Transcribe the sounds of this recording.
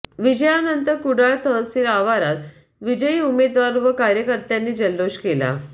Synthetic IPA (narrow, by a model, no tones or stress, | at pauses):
ʋid͡ʑəjanənt̪əɾkuɽaɭt̪ʰəɦəsiːlaʋaɾat̪ | ʋid͡ʑəjiːumed̪ʋaɾuʋəkaɾjəkəɾt̪janːiːd͡ʑəlːoɕkela̰